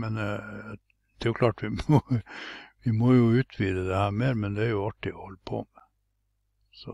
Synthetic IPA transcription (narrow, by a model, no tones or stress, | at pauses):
mɛn | d̪̥ɛjʊkʰlɑːʈʋɪmɔ | ʋɪmɔjʊʉːt̪ʰʋiːd̪əd̪ɛhæːɾmeːɾmɛnd̪ɛæɾjʊɑʈːɪɔhɔlːəpʰo̰ːmɛ | sɔ̰